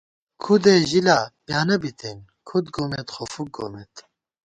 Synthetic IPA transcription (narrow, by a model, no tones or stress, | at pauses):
kʰud̪eʒilaːbjaːnɐbit̪ʰen | kʰud̪ɡomet̪xofuk̚ɡo̰met̪